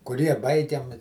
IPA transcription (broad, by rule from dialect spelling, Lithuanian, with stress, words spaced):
kʊˈrʲiɛ ˈbɐɪɡʲɛm